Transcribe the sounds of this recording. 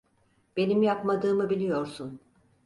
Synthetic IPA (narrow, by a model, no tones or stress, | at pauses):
b̥e̞nimjapmad̪ɯːmɯbilʲijo̞ɾsun